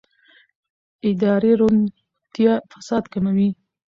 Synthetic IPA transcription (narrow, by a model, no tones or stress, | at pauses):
ɪd̪ɑɾeɾon | t̪jɑfḁsɑd̪kamawi